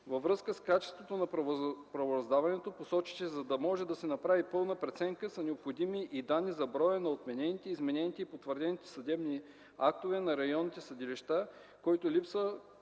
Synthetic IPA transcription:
vɐvɾɤskəskat͡ʃɛ̥st̪vot̪onɐpɾɐvoɾɐzd̪avɐnɛt̪oposɔt͡ʃi̥ʃɛzɐd̪ɐmɔʒɛd̪ɐsɛnɐpɾavipɤlˠnəpɾɛt̪sɛŋkəsɐnɛopxod̪imiʔid̪anːizɐbɾɔjənɐot̪mɛnɛnit̪ɛizmɛnɛnit̪ɛipot̪vəɾd̪ɛnit̪ɛ̥sɐd̪ɛbni | ak̚t̪ovɛnɐɾɐjɔnːit̪ɛsɐd̪iliʃt̪a | kɔjt̪olipsvə

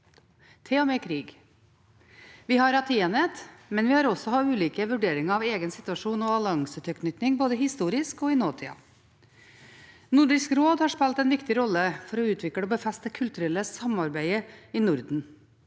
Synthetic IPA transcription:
t̪ʰeːɔmeːkʰɾiːɡ | ʋɪhɑɾɑt̪ʰiɛnət̪mɛnʋɪhɑɾɔsɔhɑʉːliːkəʋʉɖeːɾɪŋəɑːʋeːɡənsɪt̪ʉɑʂuːnɔɑlɪɑŋsət̪ʰœkʰnʏt̪nɪŋboːd̪əɦɪst̪uːɾɪskɔːɪnoːt̪ʰḭːɑ̰ | nʊɖɪskɾoːd̪hɑʂpɛlt̪ɛnʋɪkt̪ɪɾɔlːəfɔɾɔʉːt̪ʰʋɪkɽəoːbəfɛst̪əkʰʉlt̪ʉɾɛləsɑmɑɾbæɪəiːnʊɾd̪n̩

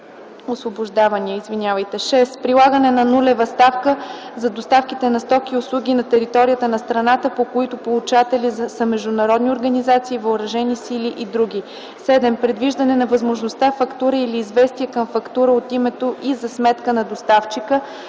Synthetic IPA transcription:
osvoboʒd̪avɐniɛizvinʲavəjt̪ɛʃɛspɾilˠaɡənɛnɐnulɛvɐst̪afkəzɐd̪ost̪afkit̪ɛnɐst̪ɔkiʊslˠuɡʲinɐt̪ɛɾit̪ɔɾʲijət̪ənɐst̪ɾɐnat̪əpokoit̪ʊpolˠut͡ʃat̪ɛlisəmɛʒd̪ʊnɐɾɔd̪nioɾɡɐnizat̪siːvɐʊɾɐʒɛnisiliʔid̪ɾuɡʲi | sɛd̪ɛmpɾɛd̪viʒd̪ɐnɛnɐvəzmoʒnost̪afɐkt̪uɾəiliːzvɛst̪iɛkəmfɐkt̪uɾəot̪imɛt̪oʔizɐsmɛt̪kənɐd̪ost̪aft͡ʃikə

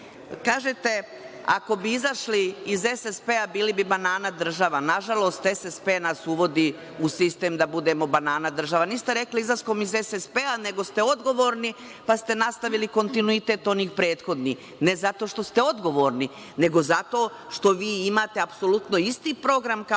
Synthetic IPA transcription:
kaːʒet̪e̞ | a̰ko̞biizaʃliːze̞sespeːabiːlibibanaːnad̪r̩ʒaʋanaʒalo̞ːst̪esespe̞ːnasuʋo̞d̪iː | usist̪e̞ːmd̪abud̪e̞mo̞banaːnad̪r̩ʒaʋaniːst̪eɾe̞kliizlaskomizesespeːane̞ɡo̞st̪e̞o̞d̪ɡo̞ʋo̞ːɾni | past̪e̞nast̪aʋiliko̞nt̪inuit̪e̞ːt̪o̞niːxpɾeːt̪xo̞d̪nix | ne̞zat̪o̞ːʃt̪o̞st̪e̞o̞d̪ɡo̞ʋo̞ːɾni | ne̞ɡo̞zat̪o̞ː | ʃt̪o̞ʋiːimaːt̪e̞apso̞lut̪no̞ist̪iːpɾo̞ɡɾamka

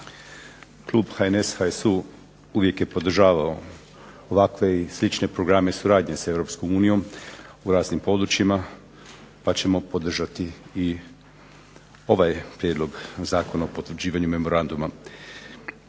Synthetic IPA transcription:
klˠuːbxaeneshaesu | uʋje̞kje̞po̞d̪r̩ʒaːʋao | oʋakʋe̞islit͡ʃne̞pɾo̞ɡɾame̞suɾaːd̪ɲesae̞ʋɾo̞psko̞muːnijo̞muɾaːznimpo̞d̪ɾut͡ʃjima | pat͡ɕe̞mo̞po̞d̪r̩ʒat̪iː | o̞ʋajpɾjed̪lo̞ɡzaːko̞naopo̞t̪ʋɾd͡ʑiːʋaɲume̞mo̞ɾand̪uma

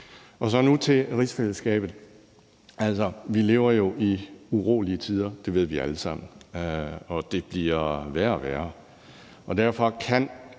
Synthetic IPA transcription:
ʔɒ̽s̬ɒ̽nut͡sʰe̝ʁisfel̰əsɡ̥ɛ̰ːb̥ð̩ˠ | ʔæl̰sɒʋile̝ːʊɐjo̝ʔiuʁo̝ːliət͡sʰið̞ˠɐd̥e̝ʋe̝ð̞̰ˠʋiæləsɑ̈m̰n̩ | ɒ̽d̥e̝b̥liɐʋæɐʋæːɐ | ʔɒ̽d̥æɐ̰fɒ̽kʰæn̰

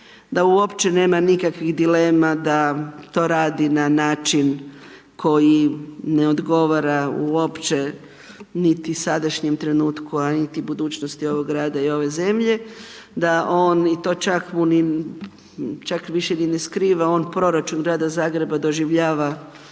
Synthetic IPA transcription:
d̪auo̞pt͡ʃe̞ne̞ːmanikakʋiɣd̪ile̞ːmad̪at̪o̞ːɾaːd̪inanaːt͡ʃin | kʰo̞jineo̞d̪ɡo̞ʋaɾauo̞pt͡ʃe̞ | nit̪isad̪aʃɲemt̪ɾe̞nuːt̪kuanit̪ibud̪uːt͡ɕnost̪io̞ʋo̞ɡɡɾaːd̪aio̞ʋe̞ze̞mʎe̞ | d̪aʔoːnit̪o̞ːt͡ʃakmuni | t͡ʃakʋiʃenineskɾiːʋao̞ːnpɾo̞ɾat͡ʃunɡɾaːd̪azaːɡɾe̞bad̪o̞ʒiʋʎaːʋa

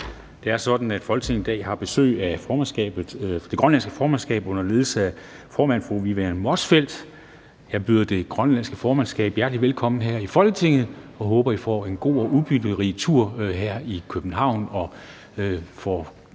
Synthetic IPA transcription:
d̥e̝æɐsɒ̽d̥n̩æd̥fɒ̽lɡə̥t͡sʰe̝ŋ̩ˠid̥ɛ̰ːhɑ̈b̥e̝sø̰ːɪæfɒːmænsɡ̥ɛ̰ːb̥ð̩ˠd̥e̝ɡ̥ʁɶnlænsɡ̥əfɒːmænsɡ̥ɛ̰ːb̥ɔ̽n̰ɐle̝ðˠsəæ | fɒːmænfʁuʋiʋeɐnmɒsfel̰d̥ | jɑ̈ɪb̥yːðˠɐd̥e̝ɡ̥ʁɶnlænsɡ̥əfɒːmænsɡ̥ɛ̰ːb̥jæɐd̥liʋelkʰɒ̽m̰n̩ɦæɐ̰ifɒ̽lɡ̥ət͡sʰe̝ŋð̩ˠɒ̽ɦɔ̽ːb̥ɐjifɒ̰ːe̝nɡ̥o̝̰ːɒʔuðˠb̥yd̥əʁit͡sʰuɐ̰ɦæɐ̰ikʰøb̥n̩ɦɑ̈ʊ̰nɒ̽ | fɒ

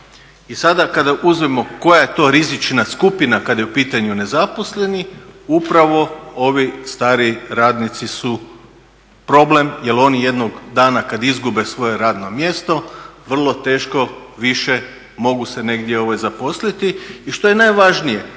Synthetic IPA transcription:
isad̪akad̪aʔuzʋemo̞ko̞jaje̞t̪o̞ɾizit͡ʃnaskupinakad̪ajeupiːt̪aɲune̞zapo̞sle̞niupɾaʋo̞o̞ʋist̪aːɾiɾaːd̪nit̪sisu | pɾo̞ble̞mje̞lo̞nije̞d̪noɡd̪aːnakad̪izɡube̞sʋo̞je̞ɾaːd̪no̞mje̞st̪o̞ʋr̩lˠo̞t̪e̞ːʃko̞ʋiʃe | mo̞ɡuse̞ne̞ɡd̪jeo̞ʋajzapo̞slit̪iːʃt̪o̞jenajʋaʒnije̞

